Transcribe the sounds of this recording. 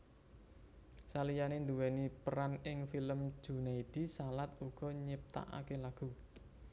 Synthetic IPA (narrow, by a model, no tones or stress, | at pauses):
salijanend̪uwɛnipəɾanɪŋfiləm̥ʒ̥ṳnaid̪̥i̤salat̪uɡ̥ɔ̤ɲɪp̚t̪a̰ʔa̰kelaɡ̥ṳ